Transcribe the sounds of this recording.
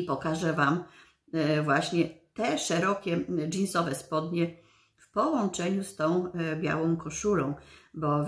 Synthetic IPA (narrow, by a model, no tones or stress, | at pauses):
ipɔkaʐɛvam | vwaɕɲɛt̪ɛʂɛɾɔkʲɛd͡ʒinsɔvɛspɔd̪ɲɛ | fpɔwɔnt͡ʂɛɲust̪ɔ̃w̃bʲja̰wɔ̃w̃kɔʂulɔ̃w̃bɔ